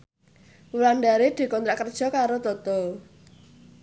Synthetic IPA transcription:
wulanɖaɾed̪̥i̤kɔnt̪ɾaʔkərd̥ʒ̥ɔ̤kaɾod̪ɔt̪ɔ

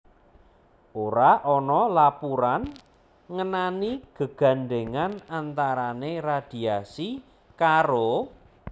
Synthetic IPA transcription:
ʔoɾaʔɔnɔlapuɾan | ŋənaniɡ̥ə̤ɡ̥a̤nɖeŋanant̪aɾanerad̪̥i̤asi | kaɾo

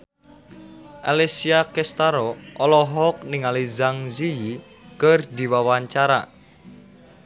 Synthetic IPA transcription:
ʔalesiakɛst̪aɾɔʔɔlɔɦɔk̚niŋalizaŋziji | kərd̪i̤wawaɲt͡ʃaɾa̰

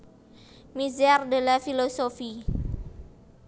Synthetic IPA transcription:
mizardelafilosofi

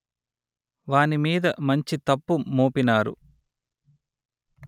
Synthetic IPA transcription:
ʋaːnimiːd̪ɐmɐɲt͡ʃit̪ɐpːumoːpinaːɾṵ

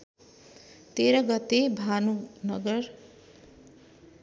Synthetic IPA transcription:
t̪eɾʌɡʌt̪ːebʱanunʌɡʌr

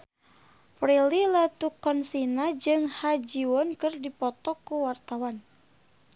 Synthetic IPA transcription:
pɾililat̪ukɔnsinad͡ʒɨŋhad͡ʒiwɔnkɨrdipɔt̪ɔkuwart̪awan

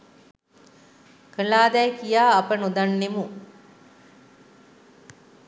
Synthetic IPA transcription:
kəlaːd̪ɛjkijaːpənod̪anːemu

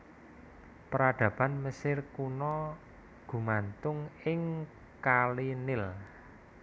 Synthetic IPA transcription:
pəɾaɖ̪̥ä̤b̥a̤nməsɪrkunɔ | ɡ̥ṳmant̪ʊŋɪŋ | kalinɪl

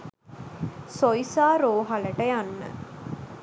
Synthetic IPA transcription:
sojsaːɾoːɦaləʈəjanːə̰

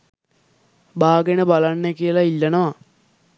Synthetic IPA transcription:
baːɡenəbalanːəkiəlailːanəʋa

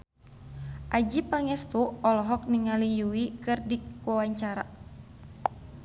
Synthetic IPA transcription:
ʔad͡ʒipaŋɛst̪uɔlɔɦɔk̚niŋalijuwikɨrdikuawaɲt͡ʃaɾa̰

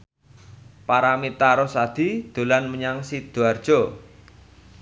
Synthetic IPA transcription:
paɾamit̪aɾɔsad̪̥i̤d̪̥o̤lanməɲaŋsid̪̥oard̥ʒ̥o

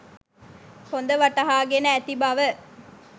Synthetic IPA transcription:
kond̪əʋɐʈɐɦaːɡenəæt̪ibɐʋə

